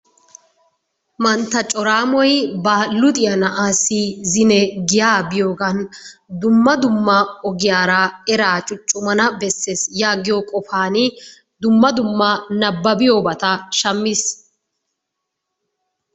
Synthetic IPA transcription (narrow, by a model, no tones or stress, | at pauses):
mɐnt̪ɐt͡ʃʼɔɾaːmɔjbalʊt̪ʼɪjɐnɐʔaːsːɪzɪnɛɡɪjaːbɪjoːɡɐnd̪ʊmːɐd̪ʊmːɐɔɡɪjaːɾaɛɾaːt͡ʃʼʊt͡ʃʼːʊmɐnɐbɛsːeːsjaːɡɪjokʼɔfaːnɪ | d̪ʊmːɐd̪ʊmːɐnɐbːɐbɪjobɐt̪ɐʃɐmːɪs